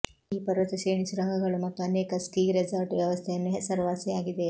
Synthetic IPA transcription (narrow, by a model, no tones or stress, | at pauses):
iːpɐɾʋɐt̪ɐseːɳisuɾɐŋɡʱɐɡɐɭumɐt̪ːuɐnekɐskiːɾed͡zɐɾʈʋjɐʋɐst̪ʰɐjɐnːuɦesɐɾʋaːseaːɡid̪e